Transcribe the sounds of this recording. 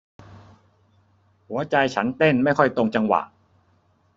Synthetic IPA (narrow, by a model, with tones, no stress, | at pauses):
hu˩˦ɐt͡ɕa˧jt͡ɕʰa˦˥nt̪e˥˩nma˥˩jkʰɔ˥˩jt̪o˧ŋt͡ɕa˧ŋwa̰˨˩ʔ